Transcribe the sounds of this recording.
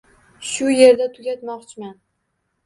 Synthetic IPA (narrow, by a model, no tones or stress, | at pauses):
ʃʊje̞ɾd̪at̪ʰʊɡʲat̪mɒqt͡ʃʰɪman